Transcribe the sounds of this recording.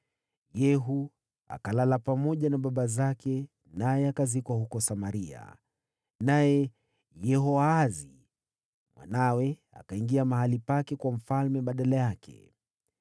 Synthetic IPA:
jɛɦu | a̰kalalapamɔʄanaɓaɓazakɛ | najɛakazikwahukɔsamaɾia̰ | najɛ | jɛɦɔaːzi | mwa̰nawɛ | a̰kaiŋɡiamahalipakɛkwam̩falmɛɓaɗalajakʰɛ̰

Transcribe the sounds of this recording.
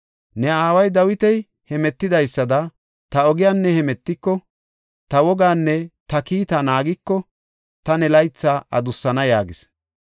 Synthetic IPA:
nɛaːwɐjd̪ɐwɪt̪ɛj | hɛmɛt̪ːɪd̪ɐjsːɐd̪ɐ | t̪ɐɔɡɪjaːnːɛhɛmɛt̪ːɪkːɔ | t̪ɐwɔɡaːnːɛt̪ɐkiːt̪ɐnaːɡɪkːɔ | t̪ɐnɛlɐjt͡sːaːʔɐ̰d̪ʊsːɐnɐjaːɡɪs

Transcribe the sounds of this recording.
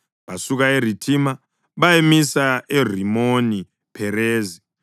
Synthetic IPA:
βasuɣaeritʰima | βajemisaer̤imoni | pʰɛreːzi

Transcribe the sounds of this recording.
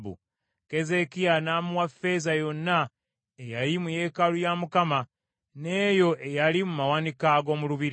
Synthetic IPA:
βṵ | ke̞ze̞kianaːmuwafe̞zajo̞nːa | ejaɾimuje̞ːkalujamukama | ne̞ːjo̞ʔe̞jalimumawanikaɡo̞ːmuluβiɾ

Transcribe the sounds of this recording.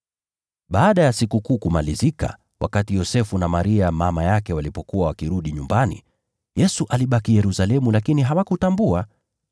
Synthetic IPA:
ɓaːɗajasikukuːkumalizika̰ | wa̰katijɔsɛfunamaɾiamamajakɛwalipɔkuwawakiɾuɗiɲumbanḭ | jɛsuʔaliɓakijɛɾusalɛmulakiniɦawakutambua

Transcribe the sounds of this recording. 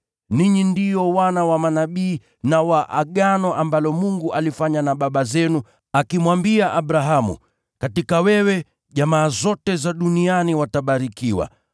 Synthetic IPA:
niɲindijɔwanawamanaɓiː | nawaʔaɠanɔʔambalɔmuŋɡuʔalifaɲanaɓaɓazɛnu | akimwambiaʔaɓɾaɦamṵ | katikawɛwɛ | ʄamaːzɔtɛzaɗunianiwataɓaɾikiwa̰

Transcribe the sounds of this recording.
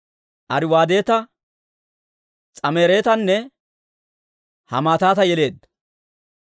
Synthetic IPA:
ʔɐɾɪwaːd̪e̞ːt̪ɐ | t͡sʼɐmeːɾe̞ːt̪ɐnːɛ | hɐ̰maːt̪aːt̪ɐjɛle̞ːd̪ːɐ

